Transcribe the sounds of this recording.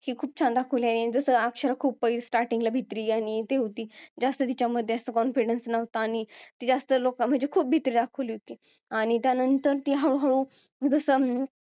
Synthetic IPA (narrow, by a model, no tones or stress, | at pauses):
hiːkʰuːp̚t͡ɕʰãnd̪akʰəʋliaid͡zəsəakɕəɾakʰuːb̚pəisʈaɾʈiŋɡlabʱit̪ɾiːaɽ̃it̪eɦot̪iːd͡zast̪ət̪it͡ɕaməd̪ʱːjeəsəkɔnfiɽənsnəʋt̪aːɽ̃it̪iːd͡zast̪əlokam̤əɳd͡ʑekʰuːp̚bʱit̪ɾiːd̪akʰəʋliːɦot̪iː | aɽ̃it̪janənt̪əɾt̪iːɦaɭuɦaɭu | d͡zəsəː